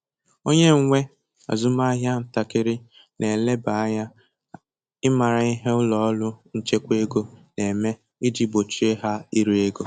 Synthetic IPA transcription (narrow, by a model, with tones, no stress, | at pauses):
o˦ɲe˦ŋ̩˦ŋʷe˦ | a̰˨zʊ˦ma˦ɦja˦n̩˨ta˨kɪ˦ɾɪ˦ | nʔe˨le˦ba˨˦ja˦ | ɪ˦ma˨ɾa˨i˦ɦe˦ʊ˦lɔ˨ɔ˦lʊ˦n̩˦t͡ʃe˦kʷe˦ɡo˦ne˨me˦ | ɪ˦d͡ʒi˦bo˨t͡ʃi˦e˦ɦa˦i˦ɾi˦e˦ɡo˦